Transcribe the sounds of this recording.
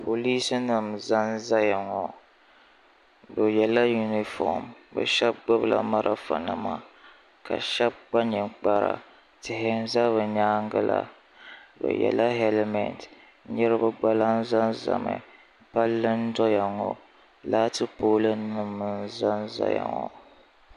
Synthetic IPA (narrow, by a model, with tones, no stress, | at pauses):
po˨li˦sɨ˦nɨ˨mza˦n˦za˦ja˨ŋɔ˨ | bɨ˨jɛ˨la˦ju˦ni˨fɔ̰˨mbɨ̰˨ʃɛ˦b̚ɡ͡bo˦bla̰˨ma˦ɾa˨˦fa̰˨na˨ma˦ | ka̰˨ʃɛ˦b̚ɡ͡ba˦ɲɛ˨ɡ͡ba˦ɾa̰˨ | tɪ˨hɪ˦n̩˦za˦βɨ˨ɲaː˦ŋ˦ɡɨ˦la̰˨ | bɨ̰˨jɛ̰˨la˦ɦɛ˦lmɛ˨nt | ɲɛ˦ɾɨ˦bɨ˦ɡ͡ba˦la˦n̩˦za˦nza̰˨ma̰˨ | pa˦lːɨ˦n̩˦dɔ˦ja˨ŋɔ˨ | laː˦tɨ˦poː˦lɨ˦nɨ˨mːɨ˦˨n˦za˦n˦za̰˦ja̰˨ŋɔ̰˨